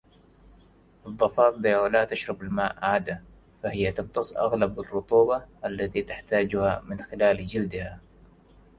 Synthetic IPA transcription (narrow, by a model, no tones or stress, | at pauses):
ʔɨðˤːɑfɑːt̪̚ˤd̪awlaːt̪aʃɾˤɑbɪlmaːʔʕaːd̪a | fahɪjːat̪ɑb̚t̪ɑsˤʔa̰ɣlabɪrːʊt̪ˤuːbɑʔalːat̪it̪aħt̪aːd͡ʒʊha̰mɪnxɪlaːld͡ʒɪld̪ɪha